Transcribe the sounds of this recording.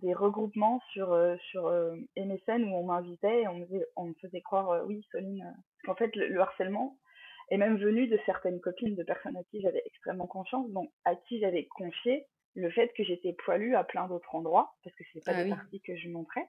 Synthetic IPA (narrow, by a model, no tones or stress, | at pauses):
d̪eʁəɡʁupmɑ̃syʁøsyʁøemesɛnuɔ̃mɛ̃vit̪ɛeɔ̃məzɛɔ̃məfəzɛkχwaʁøwisɔlinø | kɑ̃fɛt̪lə̰ləaʁsɛlmɑ̃ | ɛmɛmvənyd̪əsɛʁt̪ɛnkɔpind̪əpɛʁsɔnakʲiʒavɛʔɛkst̪χɛmːɑ̃kɔ̃sjɑ̃sd̪ɔ̃k̚akʲʰiʒavɛkʰɔ̃fje | ləfɛt̪kəʒet̪ɛpʰwalyaplɛ̃d̪ot̪χɑ̃d̪ʁwapaʁsə̥kəse̥t̪ɛpad̪epaʁt̪ikəʒəmɔ̃t̪χɛ